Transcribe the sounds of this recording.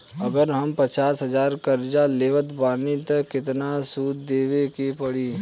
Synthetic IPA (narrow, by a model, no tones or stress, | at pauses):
ɐɡəɾɦɐmpət͡ʃaːsɦɐzaːɾkɐɾd͡ʒaleːʋət̪baːnit̪ɐkɪt̪nasuːd̪d̪eːʋekepəɽiː